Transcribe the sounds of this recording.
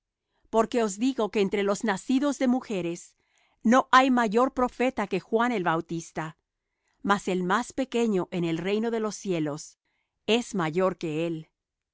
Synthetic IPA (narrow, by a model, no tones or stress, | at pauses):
po̞ɾke̞o̞zðiɣo̞keːnt̪ɾe̞lo̞znasiðo̞zðe̞muxe̞ɾe̞s | no̞ʔajmaʝo̞ɾpɾo̞fe̞t̪ake̞xwane̞lβawt̪ist̪a | mase̞lmaspe̞ke̞ɲo̞ʔene̞lre̞jno̞ðe̞lo̞sje̞lo̞s | e̞zmaʝo̞ɾke̞el